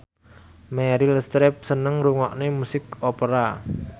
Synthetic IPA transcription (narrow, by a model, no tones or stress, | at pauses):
mɛɾiləst̪ɾɛp̚sənəŋɾuŋɔʔnemusɪkɔpəɾa